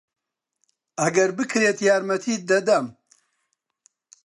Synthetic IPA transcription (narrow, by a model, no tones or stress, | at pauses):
ɐɡɐɾbɨkɾeːt̪jaːɾmɐt̪ʰiːd̪ɐd̪ɐm